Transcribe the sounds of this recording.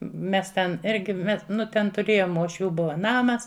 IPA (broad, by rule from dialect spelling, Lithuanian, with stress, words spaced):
ˈmʲɛs tʲɛn ˈɪrʲɡʲɪ mʲɛ ˈnʊ tʲɛn tʊˈrʲeːjoːm uɔʃʲˈʋʲuː ˈbʊʋɐ ˈnɑːmɐs